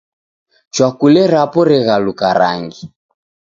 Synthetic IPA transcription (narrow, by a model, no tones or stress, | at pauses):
t͡ʃwakulɛɾapɔɾɛɣalukaɾa̰ŋɡi